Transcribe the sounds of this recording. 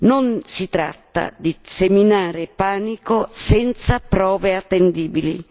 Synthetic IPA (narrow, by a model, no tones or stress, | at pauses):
nonsit̪ɾa̰t̪ːa̰d̪iseminaːɾɪpaːnikosɛnt̪sapɾɔːveat̪ːend̪iːbilḭ